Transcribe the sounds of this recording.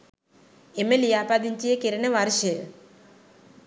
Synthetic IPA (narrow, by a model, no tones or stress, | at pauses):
emelijapad̪iɲt͡ʃijekeɾeneʋaɾʃe